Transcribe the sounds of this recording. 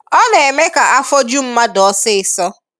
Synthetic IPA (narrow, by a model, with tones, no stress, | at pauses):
ɔ˦n˨e˨me˦ka˨ʔa˦fɔ˦d͡ʒu˦m̩˦ma˦dɔ˨˦sɪ˦ɪ˨sɔ˦